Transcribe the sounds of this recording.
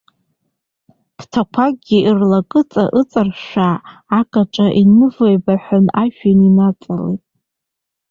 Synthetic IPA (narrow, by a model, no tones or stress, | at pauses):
b̥tʰakʷʰakɡʲiʔirlakʼɨt͡sʼaʔɨt͡sʼarʃʷᶣaːkʼaʈ͡ʂʼaʔinɨvojbaħʷanaʃᶣaninat͡sʼalḛjtʼ